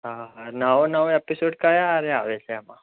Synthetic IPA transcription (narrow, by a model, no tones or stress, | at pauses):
ɦanəʋonəʋoɛpisoɖkajaːɾeaʋet͡ʃʰeama̰